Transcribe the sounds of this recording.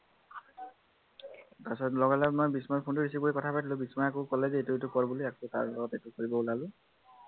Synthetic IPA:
ɡasɔlɔɡalɛmɔjbismajpʰundɔɹis̬iboɹikɔtʰapatilʊ̃bismaakokɔlɛzɛetʊetʊkɔɹbuliakota̰ɹlɔɡɔtetʊkoɹibɔulalʊ̃

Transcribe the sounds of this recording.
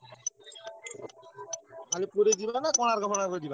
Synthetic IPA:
alepuɾed̪ibanakɔnaɾɡʱɔmɔnakoɾed̪iba

